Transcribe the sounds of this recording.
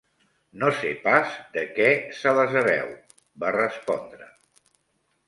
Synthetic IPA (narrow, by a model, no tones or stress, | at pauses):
nosepazd̪əkɛsələzəβɛ̰w | barəspɔ̰nd̪ɾə